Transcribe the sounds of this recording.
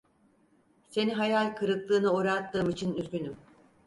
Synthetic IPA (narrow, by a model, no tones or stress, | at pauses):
se̞niɦajalʲkʰɯɾɯklˠɯːnɯuɾat̪ːɯːmit͡ʃʰinyzɡʲynym